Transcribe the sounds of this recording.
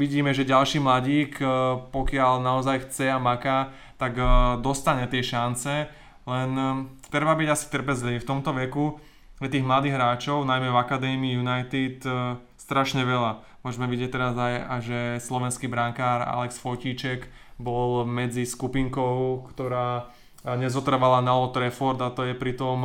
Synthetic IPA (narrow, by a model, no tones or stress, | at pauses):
ʋiɟiːmɛʒɛɟalʃiːmlaɟiːkpɔkɪalnaɔzajxt͡sɛamakaː | t̪aɡd̪ɔst̪aɲɛt̪ɪɛʃant͡sɛ | lɛnt̪ɾɛbabiɟasi̥t̪r̩pɛzliʋift̪ɔmt̪ɔʋɛku | ɛt̪iːɣmlad̪iːɣɦɾaːt͡ʃɔʊnajmɛvakad̪ɛːmiːjunajt̪it̪ | st̪ɾaʃɲɛʋɛla | mʊɔʒɛmɛʋiɟɪɛc̚t̪ɛɾazajajʒɛslɔʋɛnskiːbɾaŋkaːɾa̰lɛksfɔciːt͡ʃɛk | bɔlmɛd͡ziskupiŋkɔʊkt̪ɔɾaː | ɲɛzɔt̪r̩ʋalanalɔt̪ɾɛfɔɾd̪at̪ɔjɛpɾit̪ɔm